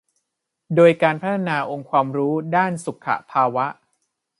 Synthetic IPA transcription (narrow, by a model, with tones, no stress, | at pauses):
doː˧jkaː˧npʰa˦˥t̪ʰa˧naː˧ʔo˧ŋkʰwaː˧mɾuː˦˥daː˥˩nsu˨˩kʰːa̰˨˩pʰaː˧wa˦˥ʔ